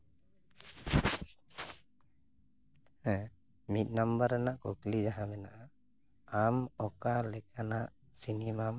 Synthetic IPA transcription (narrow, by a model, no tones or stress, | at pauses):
mit̪̚nambaɾanaʔkoklid͡ʒaɦabɛnaʔa | amɔkalɛkanaʔ | sinimam